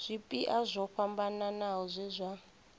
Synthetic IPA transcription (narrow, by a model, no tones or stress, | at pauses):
z̥ʷipʼiʔazʷɔɸambananaɔzʷɛzʷa